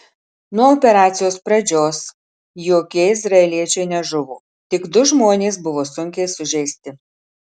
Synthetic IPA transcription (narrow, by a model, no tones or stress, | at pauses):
nuɔoːpʲɛɾɑːt̪sʲɪjoːspɾɐd͡ʒʲoːs | joːkʲiɛɪzɾɐɛlʲiɛt͡ʃʲɛɪnʲɛʒʊʋoː | t̪ʲɪɡd̪ʊʒmoːnʲeːsbʊʋoːsʊŋʲkʲɛɪsʊʒʲɛɪsʲt̪ʲɪ